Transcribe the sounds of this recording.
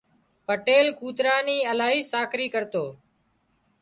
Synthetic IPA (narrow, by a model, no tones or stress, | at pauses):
pəʈeːlkuːt̪ɾaːniːəlaːɦiːsaːkɾiːkəɾt̪oː